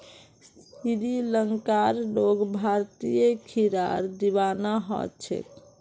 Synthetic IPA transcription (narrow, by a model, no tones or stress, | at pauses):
siɾiləŋkaɾloɡbʱaɾt̪ijekʰiɾa̰ɾd̪ibanaɦɔ̰t͡ʃʰɛ̰k